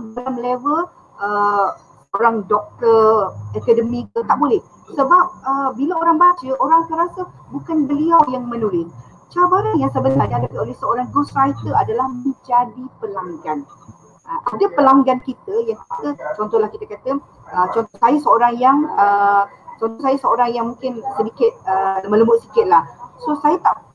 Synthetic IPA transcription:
alamlevəl | ə | oɾaŋdɔk̚t̪əɛkədəmĩkət̪aʔbulɛh | səbap̚əbilaoɾaŋbat͡ʃəʔoɾaŋsəɾasa | bukanbəliawjaŋmə̃nulɪs | t͡ʃabaɾaŋjaŋsəbənaniadakiolɛhsəoɾaŋɡusajt̪əadalahmə̃nd͡ʒadipəlaŋɡan | əʔadapəlaŋɡankit̪əjaŋasət͡ʃɔnt̪ɔhlahkit̪əkat̪ə | ət͡ʃɔnt̪ɔhsajəsəoɾaŋjaŋə | t͡ʃɔnt̪ɔsajasəoɾaŋjaŋmũŋkɪnsədikɪt̪̚əlmə̃ləmbʊʔ̚sikɪt̪̚lahsosajət̪aʔ

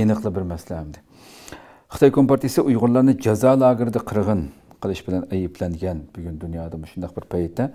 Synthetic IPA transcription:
enɨqlˠəbɪɾmɛslɛɛmd̪ɪ | χə̥t̪ʰɑjkʰompɑɾt̪isɨʔujʁʊɾlˠɑɾnɨd͡ʒɑzɑːlˠɑːɡɨɾɪd̪ɛqʰəɾʁən | qʰəlˠɨʃbɪlɛnɛjipʰlɛnɡʲɛnb̥yɡʲynd̪unjɑːd̪ɑmuʃund̪ɑq̚bɪɾpʰɑjt̪ʰːɛ

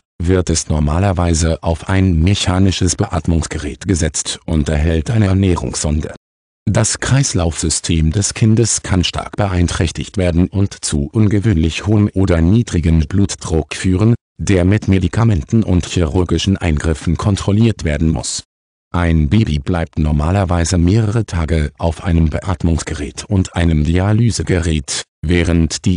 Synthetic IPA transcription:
vɪɐtɛsnɔɐmaːlɐvaɪzəʔaʊfʔa̰ɪnmeçaːnɪʃəsb̥əʔaːtmʊŋsɡ̥əʁɛːtɡ̥əzɛt͡stʔʊntɛɐɦɛltʔaɪnəɐnɛːʁ̞ʊ̰ŋsz̥ɔndə̰ | d̥askʁ̥aɪslaʊfz̥ʏstʰeːmdɛskʰɪndəskʰanʃtʰa̰ɐkb̥əʔaɪntʁ̥ɛçtɪçtv̥eːɐdn̩ʊntt͡suʔʊnɡəvøːnlɪçhoːmʔoːdɐniːdʁɪɡənbluːtd̥ʁʊkfyːʁ̞ən | d̥eːɐmɪtmedikʰamɛntn̩ʔʊ̰ntçiʁʊɐɡɪʃn̩ʔa̰ɪnɡʁɪfn̩kʰɔntʁ̥ɔliːɐtv̥eːɐdn̩mʊ̰s | ʔaɪnbeːbiblaɪp̚tnɔɐmaːlɐvaɪzəmeːʁəʁ̞ətʰaːɡəʔaʊfʔaɪnəmbəʔaːtmʊŋsɡ̥əʁɛːtʰʊntʔaɪnəmdialyːzəɡəʁɛːt | vɛːʁ̞əntd̥iː

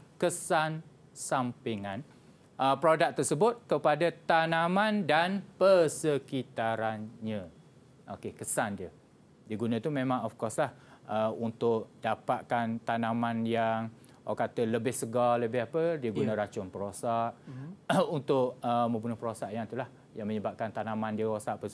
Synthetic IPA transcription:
kəsan | sampiŋan | ʔəpɾodak̚t̪ərsəbʊt̪̚kəpadat̪anamandanpərsəkit̪aɾanɲə̃ | ʔokekəsandiə | diəɡunə̃t̪umẽmãŋɔfkɔslahəunt̪ʊʔdapat̪̚kant̪anamanjaŋ | akat̪ələbɪhsəɡaləbɪɦapədiəɡunãɾat͡ʃʊnpəɾosaʔ | unt̪ʊʔəmə̃mbunʊhpəɾosaʔjaŋt̪ulah | jaŋməɲəbap̚kant̪anamandiəɾosaʔpə

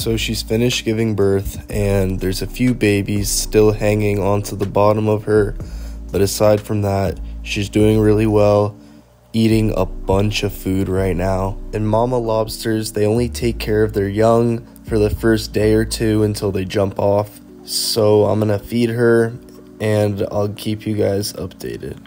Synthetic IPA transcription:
soʊʃiz̥fɪ̃nɨʃ̚ɡ̥ɪvɪ̃ŋbɜ˞θɨ̃nðə˞zɨfjʉbeɪbiz̥stɪlˠhæ̃ŋɪ̃ŋə̃ntʰəðəbɑɾə̃mʌv̥ə˞b̥ʌɾɨsaɪd̥fɹʌ̃mðət̚ʃizdʉɪ̃ŋɹɪlˠiwɛlˠ | iɾɪ̃ŋə̰b̥ʌ̃nt͡ʃʌv̥fʉd̚ɹaɪtⁿnaʊɨ̃nmɑməlɑb̥stə˞zðeɪõʊ̃nlitʰeɪkʰɛɹʌvðə˞jʌ̃ŋ | fə˞ðɨfɜ˞sd̥eɪə˞tʰʉɨ̃ntʰɪlˠðeɪd͡ʒʌ̃mpɔf | soʊã̰ɪ̃mɡʌnɨfid̚ə˞ | ɨ̃na̰ɪlˠkʰipʰjɨɡaɪzʌ̰p̚d̥eɪɾɪ̰d̥̚

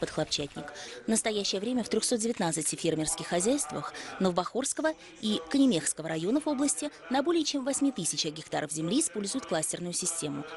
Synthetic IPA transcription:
pət̪xlˠɐpt͡ɕætʲnʲɪkvnəst̪ɐjæɕːɪjəvɾʲemʲəft̪ɾʲɵxso̞t̪̚dʲɪvʲɪt̪nat̪sɨtʲɪfʲermʲɪrskʲɪxːɐzʲæjst̪və̰xnəvˠbɐxorskəvə | ikənʲɪmʲexskəvəɾɐjo̞nəfo̞blˠəsʲtʲɪnɐbo̞lʲɪjət͡ɕe̞mvɐsʲmʲit̪ɨsʲɪt͡ɕɐɡʲɪkt̪a̰ɾəfzʲɪmlʲiːspo̞lʲzʊjʊt̪̚klˠasʲtʲɪrnʊjʊsʲɪsʲtʲe̞mʊ

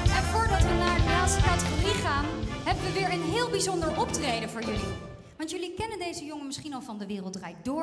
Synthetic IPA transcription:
ɛnvʊːɹdɑtʋənaːɹnaːstəkɑtəχoriχaːnɦɛbənʋəʋɪːɹənɦɪːlˠbizɔndəɹʔɔp̚trejdəvʊːɹjɵli | ʋɑntjɵlikɛnəndejzəjɔŋənmɪsχinɑlˠfɑndəʋɪːrəlˠtrɛjk̚dʊːɹ

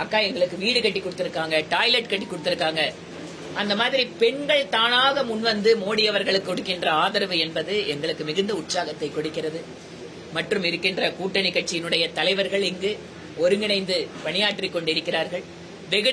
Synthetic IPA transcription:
ɐkːaːɛŋɡɐɭɯkːɯʋiːɽɯkɐʈːikːɔɽɯt̪ːɪɾɯkːaːŋɡɐʈaːjlɐʈkɐʈːikːɔɽɯt̪ːɪɾɯkːaːŋɡɐ | ɐnd̪ɐmaːðɪɾipɛɳɡɐɭt̪aːnaːɣɐmʊnʋɐnd̪ɯmoːɽɪjɐʋɐɾɣɐɭɯkːɯɔɽɯkːɪndrɐaːðɐɾɐʋɯɛnbɐðɯɛŋɡɐɭɯkːɯmɪɣɯnd̪ɐʊʈsaːɣɐt̪ːɐɪkːɔɽɯkːɪrɐðɯ | mɐʈrɯmɪɾɯkːɪndrɐkuːʈːɐnɪkːɐʈ̚t͡ʃɪjɪnɯɽɐjɐt̪ɐlɐɪʋɐɾɣɐɭɪŋɡɯ | ɔɾɯŋɡɪnɐɪnd̪ɯpɐɳɪjaːʈrikːɔɳɖɪɾɯkːɪɾaːɾɣɐɭ | ʋɛɣɯ

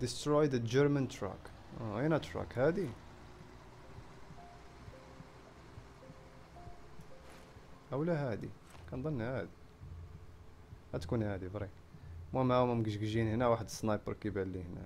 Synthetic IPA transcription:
d̪əst̪ɾɔjd̪əd͡ʒəɾmənt̪ɾæ̰k | inæt̪ɾæ̰khæd̪i | ʔəwlæɦæd̪ḭ | kænd̪ˤɑnːhæd̪i | hæt̪kunhæd̪ibɾˤi | mæmæwmæmɡəʒɡʒinhnæwaħəd̪sˤnɑjbəɾkibælːihnæ̰

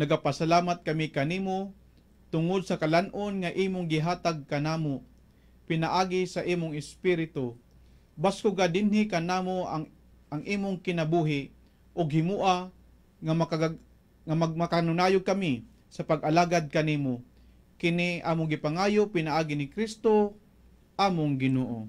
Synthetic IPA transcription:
nɐɡapasalaːmat̪̚kɐmikɐniːmo | t̪ʊŋod̪̚sɐkalanʔonŋaʔiːmoŋɡɪɦaːt̪aɡ̚kɐnaːmo | pɪnaʔaːɡɪsɐʔiːmʊŋɪspiɾɪt̪o | baskʊɡad̪ɪnhɪkɐnaːmoa̰ | ʔɐŋʔiːmʊŋkɪnɐbuːɦɪʔ | ʔʊɡhɪmuːʔa | ŋa | ŋamamakanʊnaːjʊɡ̚kɐmi | sɐpaɡʔɐlaːɡad̪̚kɐniːmo | kɪniʔa̰ːmoɡɪpaŋaːjopɪnaʔaːɡɪnɪkɾist̪o | ʔaːmoŋɡɪnoːʔo̰

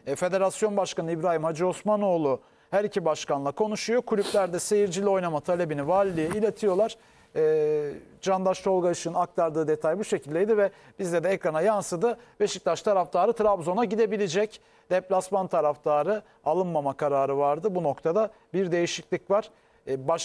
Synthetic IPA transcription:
fe̞d̪e̞ɾasjo̞nbaʃkanɯibɾaːɦimhad͡ʒio̞smano̞ːlˠu | hæɾicʰibaʃkanlˠakʰo̞nuʃujo̞kʰulʲyplʲæɾd̪ɛse̞jiɾd͡ʒilʲio̞jnamat̪ʰalʲe̞binivaːlʲːijɛilʲe̞t̪ʰijo̞lˠaɾ̥ | ɛːd͡ʒand̪aʃt͡ʃ̪o̞lˠɡaɯʃɯnɯnak̚t̪ʰaɾd̪ɯːd̪e̞t̪ʰajbuʃe̞cʰilʲd̪e̞jd̪ivɛb̥izlʲɛd̪ɛɛkɾanajansɯd̪ɯbe̞ʃic̚laʃt̪ʰaɾaft̪ʰaːɾɯt̪ʰɾabzo̞naɟid̪e̞bilʲid͡ʒɛc | d̪̥ɛplʲasmant̪ʰaɾaft̪ʰaːɾɯ | alˠɯnmamakʰaɾaːɾɯvaɾd̪ɯbuno̞kt̪ʰad̪a | biɾd̪e̞jiʃiclʲicvaɾ̥ | ba

